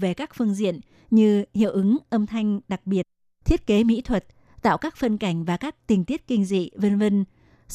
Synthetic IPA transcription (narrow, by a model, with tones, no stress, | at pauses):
ve˨˩kaː˦˥k̚fɨ˧əŋzḭ˧˨ən | ɲɨ˧hḭ˧˨əwʔɨ˨˦ŋʔə˧mt̪ʰa˧jŋ̟ɗa˨˩k̚ɓi˨˩ət̚ | t̪ʰi˦˥ət̚ke˨˦mḭ˧˥t̪ʰwə˨˩t̚ | t̪a̰ː˧˨wkaː˦˥k̚fə˧nka˧˩jŋ̟vaː˨˩kaː˦˥k̚t̪ï˨˩ŋ̟t̪i˦˥ət̚kï˧ŋ̟zḭ˧˨və˧nvə˧n